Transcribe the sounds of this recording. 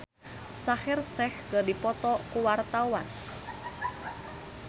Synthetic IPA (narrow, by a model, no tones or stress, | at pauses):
sahɪrsɛhkərdipɔt̪ɔkuwart̪auwa̰n